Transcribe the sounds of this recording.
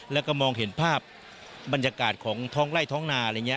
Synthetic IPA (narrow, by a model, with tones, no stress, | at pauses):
lɛ˦˥wkɔː˥˩mɔː˧ŋɦe˩˦npʰaː˥˩p̚ | ba˧njaː˧kaː˨˩t̪̚kʰɔː˩˦ŋt̪ʰɔː˦˥ŋɾa˥˩jt̪ʰɔː˦˥ŋnaː˧a˧jŋː˦˥˧